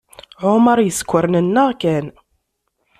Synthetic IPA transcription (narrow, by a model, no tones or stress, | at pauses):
ʕʊməɾˤjəskʷːəɾnənːəʁkæn